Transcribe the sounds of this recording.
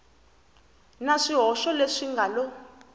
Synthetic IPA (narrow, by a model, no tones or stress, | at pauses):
naʂiɦɔʃɔleʂiŋɡalɔ